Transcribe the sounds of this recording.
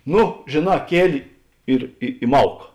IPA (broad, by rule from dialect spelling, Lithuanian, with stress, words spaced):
ˈnʊ ʒʲeːˈnɑː ˈkʲiɛlʲɪ ˈɪr ɪ ɪ ˈmɐʊk